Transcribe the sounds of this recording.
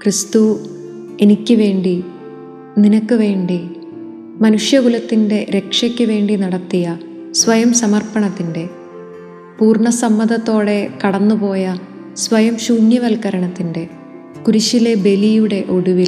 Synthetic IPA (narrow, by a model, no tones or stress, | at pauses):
krist̪u | enikʲːɨʋe̞ːɳɖi | ninɐkːɨʋe̞ːɳɖi | mɐnuʂjɐɡulɐt̪ːinde̞ɾe̞kʂɐkʲːɨʋe̞ːɳɖinɐɽɐt̪ːijɐ | sʋɐjɐmsɐmɐrpɐɳɐt̪ːinde̞ | puːrɳɐsɐmːɐd̪ɐt̪ːo̞ːɽe̞kɐɽɐnːupo̞ːjɐ | sʋɐjɐmɕuːnjɐʋɐlkɐɾɐɳɐt̪ːinde̞ | kuɾuɕile̞be̞lijuɽe̞ʔo̞ɽuʋil